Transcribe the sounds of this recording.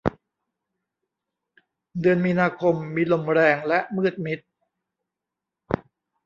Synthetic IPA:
dɯ˧ənmiː˧naː˧kʰo˧mːiː˧lo˧˩mɾɛː˧ŋlɛ˦˥ʔmɯː˥˩t̪̚mi˦˥t̪̚

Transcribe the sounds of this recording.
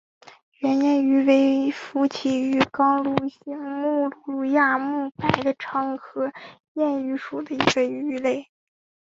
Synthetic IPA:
ɥɛ˧˥njɛ˥˩ny˧˥we˧˥ɪfu˧˥t͡ɕʰi˨˥˩y˧˥kɑ˥ŋlu˥˩ɕi˧˥ŋmu˥˧lu˥˧lu˥˧ja˥˩mu˥˩pa˥˩ɪd̪ə˦ʈ͡ʂʰɑ˧˥ŋxɤ˧˥ | jɛ˥˩ny˧˥ʂu˨˩d̪ə˦i˧˥ɡə˧y˥le˥˩ɪ

